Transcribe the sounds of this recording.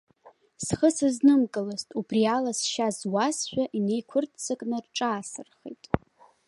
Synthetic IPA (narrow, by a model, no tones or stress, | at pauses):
sχəsɨznɨmkʼɨlɨztʼubrialasʃazwasʃʷᶣaʔine̞jkʷʰʊrtʰt͡sʰɨkʼnɨrʈ͡ʂʼaːsɨrχḛjtʼ